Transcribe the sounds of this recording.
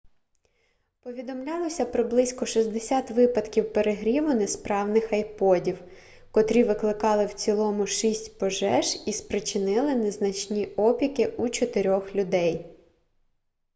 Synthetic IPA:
pɔʋʲid̪ɔmlʲɑlˠɔsʲɐpɾɔblˠɪsʲkɔʃizʲd̪esʲat̪ʋɪpɐd̪kʲiwpeɾeɦɾʲiʋʊnespɾɑwnɪxɐjpɔdʲiw | kɔt̪ɾʲiʋɪklˠɪkɑlˠɪwt͡sʲilˠɔmʊʃisʲtʲpɔʒɛʒispɾɪt͡ʃɪnɪlˠɪneznɐt͡ʃnʲiɔpʲikɪut͡ʃɔt̪eɾʲɔxlʲʊd̪ɛj

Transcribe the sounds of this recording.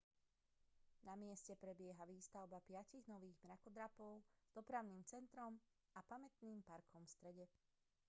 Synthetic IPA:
namɪɛscɛpɾɛbɪɛɦaʋiːst̪aʊbapɪaciɣnɔʋiːɣmɾakɔd̪ɾapɔʊz̥d̪ɔpɾaʊniːmt͡sɛnt̪ɾɔm | apamɛt̪niːmpaɾkʰɔmfst̪ɾɛɟɛ

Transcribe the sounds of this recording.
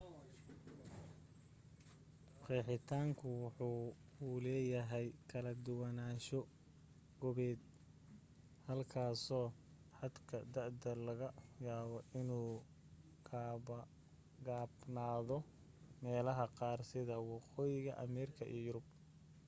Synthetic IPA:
qiːħɪt̪ʰaːŋkʰʊwɑħuːlɛːjɐɦɛjkʰɐlɐd̪ʊwɑnaːʃɔ | ɡɔβɛːd̪̚ | hɐlkʰaːsɔː | ħɑd̪kʰɐd̪ɐʕd̪ɐlɐɣɐjaːβɔʔɪnuː | ɡ | ɡaːbnaːðɔ | mɛːlɐɦɐqɑːrsɪðɐwɑqɔːjɪɣɐʔɐmɛːɾɪkʰɐʔḭjʊɾʊb̚

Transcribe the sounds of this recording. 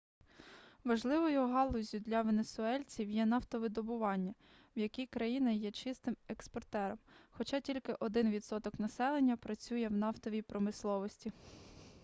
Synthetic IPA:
ʋɐʒlˠɪʋɔjʊɦɑlˠɔzʲʊd̪lʲɐʋenesʊɛlʲt͡sʲiwjɛnɑft̪ɔʋɪd̪ɔbʊʋɑnʲːɐ | wjɐkʲijkɾɐjinɐjɛt͡ʃɪst̪ɪmekspɔrt̪ɛɾɔmxɔt͡ʃɑtʲilʲkɪʔɔd̪ɪnʋʲid̪sɔt̪ɔknɐsɛlˠenʲːɐpɾɐt͡sʲujɛwnɑft̪ɔʋʲijpɾɔmɪslˠɔʋɔsʲtʲi

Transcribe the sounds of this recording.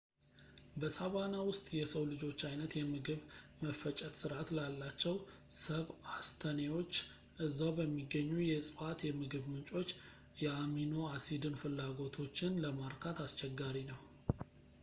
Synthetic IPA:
bəsaβanawʊst̪ʼjɛsəwlɨd͡ʒo̞t͡ʃːajnət̪jɛmɨɡɨβməfːət͡ʃʼɛt̪sɨɾat̪lalːat͡ʃːɛw | səβast̪ʰənewo̞t͡ʃː | ʔɨzːawbəmːiɡːəɲːujɛsʼɨfat̪jɛmɨɡɨβmɨnt͡ʃʼo̞t͡ʃː | jɛamino̞asid̪ɨnfɨlːaɡo̞t̪ʰo̞t͡ʃːɪnləmaɾkʰat̪ast͡ʃɛɡːaɾinəw

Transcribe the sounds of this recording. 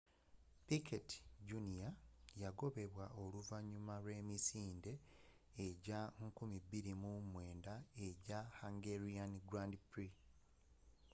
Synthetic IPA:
piketi̥ɟunijajaɡo̞βe̞βwaʔo̞luvaɲumaɾwe̞ːmisiːnde̞ː | ɟaŋkumibːiɾimumwe̞ːndae̞ɟahaŋɡeɾianiɡɾandipɾi

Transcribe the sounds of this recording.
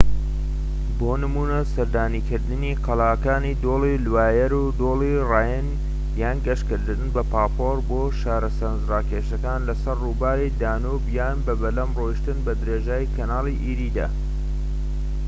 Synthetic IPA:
boːnɨmuːnɐsɐɾd̪aːniːkʰɨɾd̪ɨniqɐlaːkaːnid̪olilwaːjɐɾud̪oːliraːjɛn | jaːnɡɐʃkɨɾd̪ɨnɨnbɐpaːpoɾboːʃaːɾɐsɐnzraːkeːʃɐkaːnlɐsɐrːubaːɾed̪aːnobjaːnbɐbɐlɐmroiʃt̪ɨnbɐd̪ɨɾeːʒaːjkʰɐnaːlˠiʔiɾiːd̪a̰ː

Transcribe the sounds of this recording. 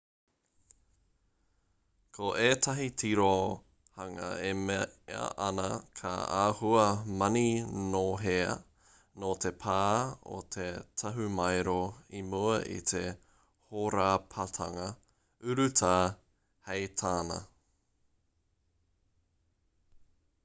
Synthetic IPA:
kʰoʔeːtʰɐɦitʰiɾo | hɐŋɐ̰emeɐ̰ʔɐnɐkʰa̰aːhuɐmɐninoɦeɐ̰ | noːt̪ʰepʰaːo̰t̪ʰet̪ʰɐɦumɐjɾoimuɐʔḭtʰe | hoɾaːpʰatʰɐŋɐ | ʉɾʉtʰa | hejtʰaːnɐ̰

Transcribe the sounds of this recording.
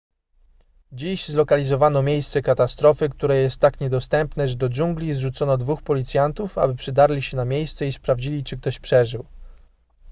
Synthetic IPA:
d͡ʑiɕzlɔkalʲizɔvanɔmʲjejst̪sɛkat̪ast̪ɾɔfɘkt̪uɾɛjɛst̪ːakɲɛd̪ɔst̪ɛmpnɛʐɛd̪ɔd͡ʒuŋɡlʲizʐut̪sɔnɔd̪vuxpɔlʲit̪sʲjant̪ufa̰bɘpʂɘd̪aɾlʲiɕɛnamʲjejst̪sɛispɾavd͡ʑilʲit͡ʂɘk̚t̪ɔɕpʂɛʐɘw

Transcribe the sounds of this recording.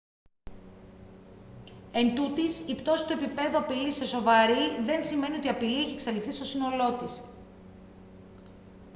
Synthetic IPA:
e̞nt̪ut̪isipt̪o̞si̥t̪oepipe̞ðuɐpilise̞so̞vɐɾiðe̞nsime̞nio̞t̪iɐpilieçeksɐlifθist̪o̞sino̞lo̞t̪is

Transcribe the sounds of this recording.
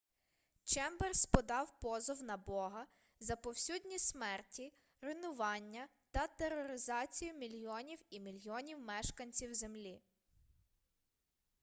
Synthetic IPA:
t͡ʃɛmbɛrspɔd̪ɑwpɔzɔwnɐbɔɦɐ | zɐpɔwsʲudʲnʲismɛrtʲi | ɾɪnʊʋɑnʲːɐt̪ɐt̪eɾɔɾɪzɑt͡sʲijʊmʲilʲjɔnʲiwimʲilʲjiɔnʲiwmɛʃkɐnʲt͡sʲiwzemlʲi

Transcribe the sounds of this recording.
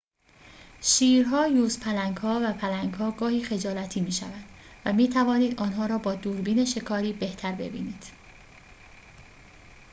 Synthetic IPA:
ʃiːɾɦɒːjuːzpʰælæŋɡhɒːvæpʰælæŋɡhɒːɡɒːhiːxe̞d͡ʒɒːlæt̪ʰiːmiːʃæ̰væd̪̥ | væmiːt̪ʰævɒːniːd̪ʔɒːnɦɒːɾɒːbɒːd̪uːɾbiːne̞ʃe̞kʰɒːɾiːbe̞ht̪ʰæɾbe̞̰bḭːniːd̪̥

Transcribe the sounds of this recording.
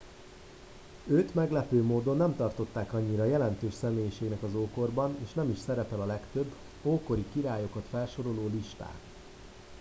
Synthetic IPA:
øːt̪mɛɡlɛpøːmoːd̪o̞nːɛmt̪ɒrt̪o̞t̪ːaːkɒɲːiɾɒjɛlɛnt̪øːʃsɛmeːjiʃeːɡnɛkɒzoːko̞rbɒneːʃnɛmiʃsɛɾɛpɛlɒlɛkt̪øbː | oːko̞ɾikiɾaːjo̞kɒt̪fɛlʃo̞ɾo̞loːliʃt̪a̰ːt̪

